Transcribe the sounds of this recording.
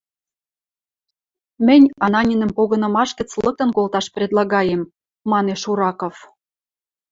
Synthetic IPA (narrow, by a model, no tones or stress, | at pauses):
mɘ̆nʲɑnɑnʲinə̆mpoɣɤ̆nɤ̆mɑʃkə̆t͡slɤk̚t̪ɤ̆nkolt̪ɑʃprʲed̪lˠɑɣɑjemː | ɑneʃuɾɑkof